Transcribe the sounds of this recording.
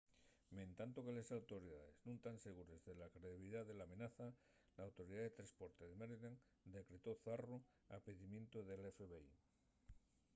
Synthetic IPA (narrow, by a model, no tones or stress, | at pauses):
mẽnt̪ant̪okelesawt̪oɾiðaðeznũnt̪anseɣuɾezðelakɾeðiβiliðaðelamẽnaθa | laːwt̪oɾiðaðet̪ɾaspoɾt̪eðemeɾleŋ | d̪ekɾe̞t̪oθaro | apeðimjẽ̞nt̪oðelefeβei